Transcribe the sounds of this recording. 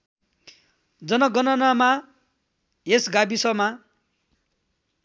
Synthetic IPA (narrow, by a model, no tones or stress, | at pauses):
d͡zʌnʌɡʌnʌnama | ɦesɡabisʌma